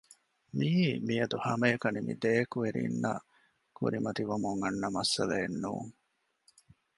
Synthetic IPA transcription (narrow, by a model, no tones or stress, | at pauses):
miiːmijɐd̪uhɐmejkɐnimḭd̪eːkueɾḭnːa̰ː | kṵɾimɐt̪iʋumuŋɐnːɐmɐsɐleːnːṵːŋ